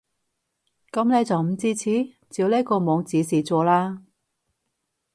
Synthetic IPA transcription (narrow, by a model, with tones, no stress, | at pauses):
kɐ˨˥mne˨˧jt͡sɐ˨wm̩˨˩t͡siː˥t͡sʰiː˨˥ | t͡siː˧wleː˥kɔː˧mɔː˨˧ŋt͡siː˨˥siː˨t͡sɔː˨˧laː˥